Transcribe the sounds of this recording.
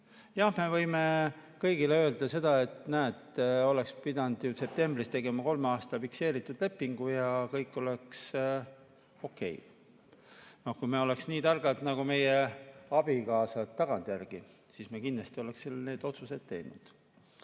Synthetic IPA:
jɑhme̞vɤjme̞kɤjɡ̥ileø̞ːld̪ɑse̞d̪̥ɑe̞t̪næːt̪ːole̞kspid̪ɑnd̪̥juse̞p̚t̪e̞mbrist̪e̞ɡ̥e̞mɑko̞lmeɑːst̪ɑfikse̞ːɾit̪ːˑud̪̥le̞pːiŋɡ̥ujɑkɤjkːˑo̞le̞ks | o̞kːe̞̰j | no̞hkujmeo̞le̞ksniːt̪ɑrɡ̥ɑd̪nɑɡ̥ume̞jeɑb̥ikɑːsɑt̪ːɑɡ̥ɑnt̪jærɡ̥i | siːsmekinlɑst̪io̞le̞ksselne̞ːd̪o̞t̪suse̞d̪̥̚t̪e̞jnṵd̪̥

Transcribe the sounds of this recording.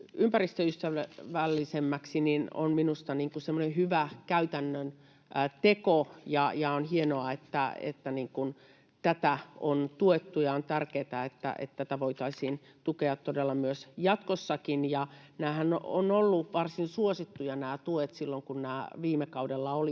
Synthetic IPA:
ympærist̪øyst̪æʋʋælːisemːæksinino̰nminust̪ɑniːŋkusemːonehyʋækæyt̪ænːøn | t̪ekojɑjɑonhienoɑet̪ːæ̰ḛt̪ːæniːŋkun | t̪æt̪æont̪uet̪ːujɑont̪ærkeːt̪æet̪ːæ̰ʔḛt̪t̪æt̪æʋoit̪ɑisiːn | t̪ukeɑt̪todelːɑmyøsjɑt̪kosːɑkinjɑnæːhæno̰nolːuʋɑrsinsuosit̪ːujɑnæːt̪uet̪silːoŋkunnæːʋiːmekɑudelːɑoli

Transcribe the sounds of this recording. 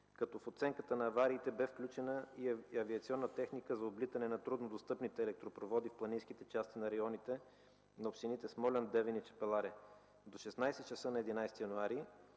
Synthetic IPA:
kɐt̪ɔfot̪sɛŋkət̪ənɐːvaɾiːt̪ɛbɛfklʲut͡ʃɛnəiɐviɐt̪siɔnːət̪ɛxnikəzɐoblit̪ɐnɛnɐt̪ɾud̪nod̪ost̪ɤpnit̪ɛːlɛk̚t̪ɾopɾovɔd̪ifplˠɐnĩnsk̟it̪ɛt͡ʃast̪inɐɾɐjɔnit̪ɛ | nɐopʃinit̪ɛsmɔlʲɐnd̪ɛvɛnit͡ʃɛ̥pɛlˠaɾɛ | d̪oʃɛsnajsɛtt͡ʃɐsɤnɐɛd̪inajst̪ijɐnuaɾi

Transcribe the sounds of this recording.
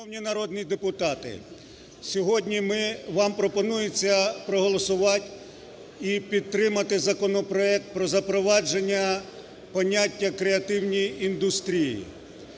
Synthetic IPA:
nɔwnʲinɐɾɔd̪nʲid̪epʊt̪ɑt̪ɪ̰ | sʲɔɦɔdʲnʲimɪʋɑmpɾɔpɔnujʊt͡sʲːɐpɾɔɦɔlˠɔsʊʋɑtʲ | ipʲid̪̚t̪ɾɪmɐt̪ɪzɐkɔnɔpɾɔɛk̚t̪̚pɾɔzɐpɾɔʋɑd͡ʒe̞nʲːɐ | pɔnʲatʲːɐkɾeɐt̪ɪwnʲijind̪ʊst̪ɾʲijḭ

